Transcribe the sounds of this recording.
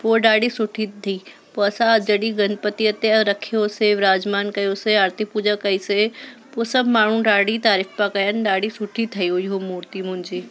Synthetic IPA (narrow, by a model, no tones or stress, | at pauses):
poːɗaːɽisʊʈʰit̪ʰiː | poːɐsãd͡ʑɐɗiɡɐnpət̪iət̪eɾɐkʰijoseʋɾaːd͡ʑmaːnkɐjoseɐɾt̪ipuːd͡ʒəkɐisepoːsɐbmaːɳ̤ũɖaːɽit̪aːɾifpakɐjənɪ̆ɗaːɽisʊʈʰit̪ʰɐjoɪɦomuːɾt̪imʊ̃ɦɪ̃ɲd͡ʑiː